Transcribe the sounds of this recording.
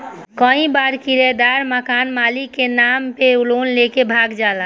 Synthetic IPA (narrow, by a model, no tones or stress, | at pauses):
kə̃ĩbaɾkiɾed̪aɾməkanmalikenampeulonlekebʱaɡd͡ʒalã